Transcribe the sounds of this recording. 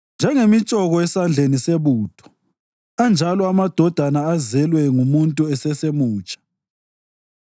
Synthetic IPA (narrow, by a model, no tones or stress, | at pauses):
nd͡ʒʱɛŋemit͡ʃʼɔɣɔɛsand͡ɮʱeniseβuːd̥ʰʱɔ̥ | and͡ʒʱalɔamad̥ʱɔd̥ʱanaːzɛlwɛŋumuntʼuɛsɛsemuːt͡ʃʼḁ